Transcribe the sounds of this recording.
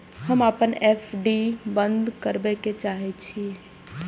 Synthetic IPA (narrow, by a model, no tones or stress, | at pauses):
həməpənepʰɖibənd̪kəɾbɛket͡ʃaɦɛt͡ʃʰi